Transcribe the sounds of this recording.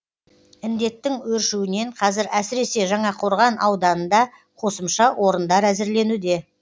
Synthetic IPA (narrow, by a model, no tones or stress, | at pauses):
ɪnd̪e̞t̪ːɪŋwɵɾʃuwɪne̞ɴqʰɑzɪɾæsɪɾe̞se̞ʒɑɴɑqʰo̞ɾʁɑnʔɑwd̪ɑnənd̪ɑ | qʰo̞səmʃɑwʔo̞ɾənd̪ɑɾæzɪɾle̞nud̪e̞